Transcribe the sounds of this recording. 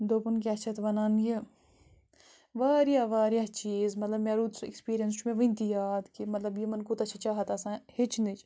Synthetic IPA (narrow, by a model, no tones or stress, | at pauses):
d̪oːpunkeɐt͡ʃʰɐt̪ʋɐnaːnji | ʋaːɾjaːʋaːɾjaːt͡ʃiːzmɐt̪lɐbmeːɾuːt̪sḛkspiːɾijɐnst͡ʃʰumẽʋĩnt̪ijaːd̪kimɐt̪lɐbjimɐnkut̪ɐt͡ʃʰɐt͡ʃaːɦɐt̪ɐsãhit͡ʃʰnit͡ʃʰ